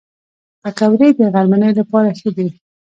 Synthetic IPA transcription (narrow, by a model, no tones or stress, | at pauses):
pakawɾed̪əɣalmanəjlapɑɾaxəd̪i